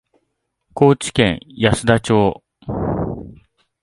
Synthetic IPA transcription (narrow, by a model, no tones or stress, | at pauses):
ko̞ːt͡ɕi̥kẽ̞̰ɰ̃jasɨd̪at͡ɕo̞ː